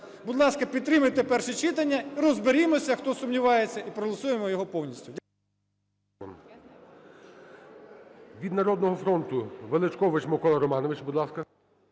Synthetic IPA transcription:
bud̪lˠɑskɐpʲid̪̚t̪ɾɪmɐjt̪epɛrʃɛt͡ʃɪt̪ɐnʲːɐiɾɔzbeɾʲimɔsʲɐxt̪ɔsʊmnʲiʋɑjet͡sʲːɐʔipɾɔɦɔlˠɐsujemɔjɔɦɔpɔwnʲisʲtʲʊdʲ | m | ʋʲid̪nɐɾɔd̪nɔɦɔfɾɔnt̪ʊʋelˠɪt͡ʃkɔʋɪt͡ʃmɔkɔlˠɐɾɔmɑnɔʋɪt͡ʃbud̪lˠɑskɐ

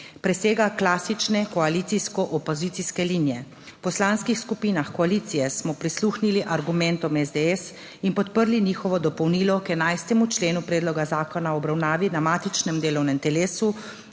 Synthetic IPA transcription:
pɾɛseːɡaklaːsit͡ʃnɛkɔaliːt̪siskɔʔɔpɔzit̪siskɛliːnijɛ | pɔslaːnskixskupiːnaxkɔaliːt̪sijɛsmɔpɾisluːxniliʔaɾɡumɛnt̪ɔmɛzd̪eɛs | inpɔt̪pəɾliniːxɔʋɔd̪ɔpɔwniːlɔkɛnajst̪ɛmut͡ʃleːnupɾɛːd̪lɔɡazaːkɔnaɔbɾawnaːʋinamaːt̪it͡ʃnɛmd̪eːlɔwnɛmt̪ɛleːsu

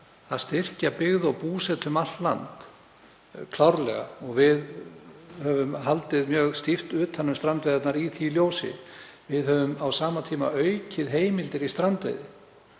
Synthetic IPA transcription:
θaðst̪ɪr̥capɪɣðʏawpuːsɛt̪ʏmalt̪la̰nt̪ | kʰlawɾlɛ̰ɣa̰ɔɣvɪð | hœvʏmɦalt̪ɪðmjœːɣst̪ift̪ʏːt̪ʰanːʏmst̪ɾant̪vejðat̪naɾiθiljowsɪ̰ | vɪðhœːvʏmawsaːmat̪ʰiːma̰œɥcɪðɦeːjmɪlt̪ɪɾist̪ɾant̪vḛjðɪ

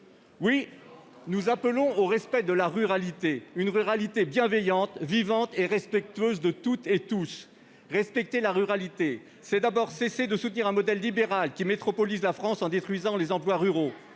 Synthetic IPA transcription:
wi | nuzaplɔ̃oʁɛspɛd̪əlaʁyʁalit̪eynʁyʁalit̪ebjɛ̃vɛjɑ̃t̪vivɑ̃t̪eʁɛspɛk̚t̪ɥøzd̪ət̪ut̪et̪us | ʁɛspɛk̚t̪elaʁyʁalit̪e | sɛd̪abɔʁsesed̪əsut̪niʁɛ̃mɔd̪ɛlːibeʁalkʲimet̪χɔpɔlizlafχɑ̃sɑ̃d̪et̪χɥizɑ̃lezɑ̃plwaʁyʁo

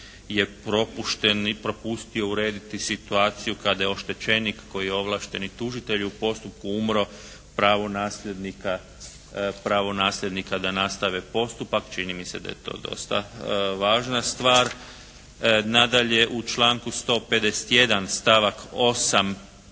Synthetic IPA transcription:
je̞pɾo̞puʃt̪enpɾo̞pust̪io̞uɾe̞ːd̪it̪isit̪uaːt̪sijukad̪ajeo̞ʃt̪e̞t͡ʃe̞nikːo̞jijeo̞ʋlˠaːʃt̪e̞nit̪uʒit̪e̞ʎuupo̞st̪up̚kuumɾo̞ | pɾaːʋonaːsʎe̞d̪nika | pɾaʋo̞naːslʲʎʲed̪nikad̪anast̪aʋepo̞st̪upakt͡ʃinimise̞d̪a̰jet̪o̰ːd̪o̞̰st̪a̰ʋaːʒnast̪ʋaːɾ | nad̪aʎe̞ʔut͡ʃlaːŋkust̪o̞ːped̪ese̥t̪je̞d̪anst̪aʋako̞sam

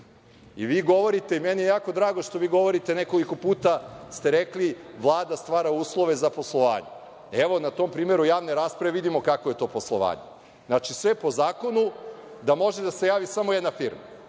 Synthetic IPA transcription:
iʋiːɡo̞ʋo̞ɾit̪e̞imenijejaːko̞d̪ɾaːɡo̞ʃt̪o̞ʋiːɡo̞ʋo̞ɾit̪e̞neko̞liko̞puːt̪ast̪e̞ɾekliʋlˠaːd̪ast̪ʋaːɾauːslˠoʋe̞zapo̞slˠoʋa̰ːɲḛ | eʋo̞nat̪o̞mpɾiːme̞ɾujaːʋneɾaːspɾaʋeʋid̪imo̞kakoje̞t̪o̞ːposlˠo̰ʋa̰ːɲe | znat͡ʃisʋe̞po̞zaːko̞nu | d̪amo̞ʒed̪ase̞jaːʋisamojɛd̪nafiɾma

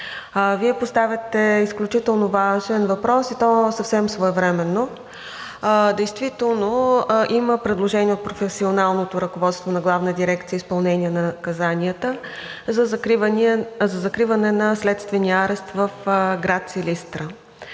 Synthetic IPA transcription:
viɛpost̪avʲət̪ɛisklʲut͡ʃit̪ɛlˠnovaʒɛnvɐpɾɔsit̪ɔsɐfsɛmsvoɛvɾɛmɛnːo | d̪ɛjst̪vit̪ɛlˠnoʔiməpɾɛd̪lˠoʒɛniɛot̪̚pɾofɛsionalˠnot̪oɾəkovɔt̪st̪vonɐɡlˠavnəd̪iɾɛkt̪sijəispɐlˠnɛniənɐkɐzanʲiət̪əzznzɐzɐkɾivɐnɛnɐslɛt̪st̪vɛniəaɾɛst̪vəfɡɾat̪silist̪ɾə

